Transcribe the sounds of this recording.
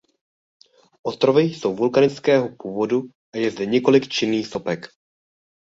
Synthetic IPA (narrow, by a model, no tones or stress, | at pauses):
ʔost̪ɾovɪjso̞wvulkanɪt͡skɛːɦopuːvo̞du | ʔajɛzdɛɲɛko̞lɪkt͡ʃɪnːiːxso̞pɛk